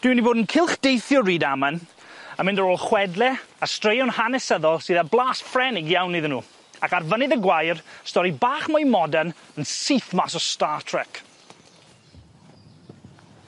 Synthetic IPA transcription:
d̥wɪwniboːdənkʰɪlˠχd̥ejθjɔriːdamən | əmɪndəɾoːlˠχwɛdlˠɛastrejɔnhanɛsəðɔlˠsɨːðablˠaːsfrɛnɪɡjawnːiðnuː | akarvənɪðəɡwajrstɔɾibaːχmɔjmɔdan | ənsiθmasɔstaːtʰrɛk

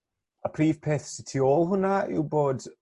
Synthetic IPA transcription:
əpʰriːv̥pʰeːθsɪtʰioːlˠhʊnaɪ̰wboːd

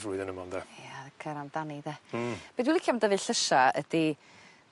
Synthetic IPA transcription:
vruɨðənəmɔnd̪ɛjakʰəɾandaniðɛb̥iːdwilˠikʰamdəvɨɬəʃaəd̥i

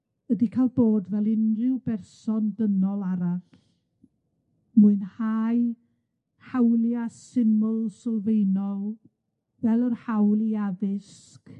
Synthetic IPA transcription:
ədikʰajlˠboːdvɛlˠɪnrɪwbɛrsɔndənɔlˠaɾaθ | muɨnhaj | hawlˠjasɪmʊlˠsɔlˠvejnɔlˠ | vɛlˠɔrhawlˠiaðɪs | k

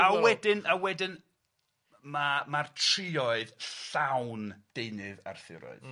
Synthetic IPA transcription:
awɛdɪnawɛdɨn | mamartʰr̥ɪɔɨðɬawnd̥ejnɨða̰rθɪ̰ɾɔ̰ɨð̥

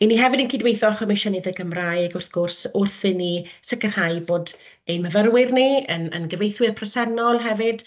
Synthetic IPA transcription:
iniɦɛvɨdənkʰidwejθɔχəmɪʃɔnɪdəɡəmrajɡʊrθɡ̥ʊrsʊrθɨnisɪkərhaɨjboːd | ejnməvərwɪrniənə̰nɡəvejθwɪrpʰrɔsɛnɔlˠɦɛvɨd̥

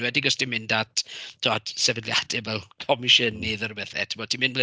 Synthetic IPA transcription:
wɛdiɡɔsd̥imɪndatʰd̥od̥sɛvədlja̰d̥ɛvɛlˠkʰɔmɪʃənːiðɔɾbəθɛ̰tʰɪmɔd̚tʰimɪnble

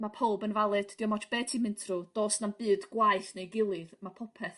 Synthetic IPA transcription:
mapʰɔlˠbənvalˠɨd̥d̥iɔmɔt͡ʃʰb̥ɛːtʰimɪntʰrud̥oːsnambɨːdɡwajθnejɡɪlˠɨðmapʰɔpʰɛθ

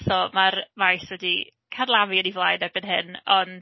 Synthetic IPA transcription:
θɔmarmajswɛdi | kʰadlˠaviənivlˠajnɛbɨnɦɪnɔnd

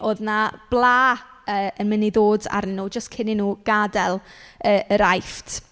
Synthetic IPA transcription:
ʔoːðnab̥lˠaːəːənmɪniðoːda̰ɾnɪnuːd͡ʒəstkʰɪninuːɡ̥adɛlˠəəɾajftʰ

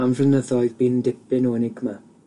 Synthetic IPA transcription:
amvrənəðɔjðbiːndɪpɪnɔənɪɡma

